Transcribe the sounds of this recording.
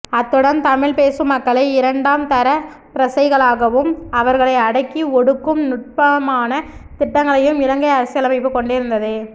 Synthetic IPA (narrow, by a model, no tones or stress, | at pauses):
ɐt̪ːɯɽɐnt̪ɐmɪɭpeːsɯmːɐkːɐɭɐɪɪɾɐɳɖaːmt̪ɐɾɐ | pɾɐsɐɪɣɐɭaːɣɐʋɯmɐʋɐɾɣɐɭɐɪɐɽɐkːiɔɽɯkːɯmnʊʈ̚pɐmaːnɐt̪ɪʈːɐŋɡɐɭɐjɯmɪlɐŋɡɐɪɐɾɐsɪjɐlɐmɐɪpːɯkːɔɳɖɪɾɯnd̪ɐðɯ